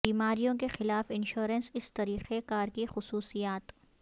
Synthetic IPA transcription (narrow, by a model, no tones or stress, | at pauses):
iːmaːɾijõkexɪlaːfɪnʃoːɾənsɪst̪ɐɾiːqekaːɾkixʊsuːsijaːt̪